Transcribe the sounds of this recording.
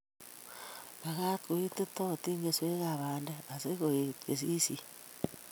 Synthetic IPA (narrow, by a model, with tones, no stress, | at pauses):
βa˨ɣa˦to˨i˦te˦to˦˨ti˦ŋɡe˨swe˦ɣaβaː˨nde˦a˨se˦ɣo˨e˨tke˨s̬i˦si˦